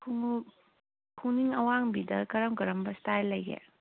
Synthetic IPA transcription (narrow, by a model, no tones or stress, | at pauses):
kʰuŋ | kʰuŋniŋɐwaŋbidɐkɐɾɐmkɐɾɐmbɐstajlɐjɡḛ